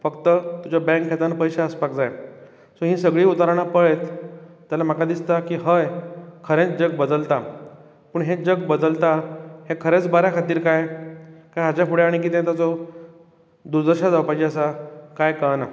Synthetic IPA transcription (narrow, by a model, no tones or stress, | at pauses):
fəkt̪ət̪ud͡ʑabɛ̃ŋkʰːet̪anpəjɕaəspak̚d͡zaj | soɦĩsəɡɭiːut̪aɾaɽ̃apəɭet̪ː | jalam̤əkad̪ist̪akiːɦəjkʰəɾẽt͡sd͡ʑəɡ̚bəd̪əlt̪a | pəːɳɦed͡ʑəɡbəd̪əlt̪ahekʰəɾet͡sbaɾjakʰat̪iːɾkajkajɦat͡ɕapuɽeaɽ̃ik̬it̪ẽt̪at͡sɔ | d̪uɾd̪əɾɕad͡zawpat͡ɕeəsakajkəna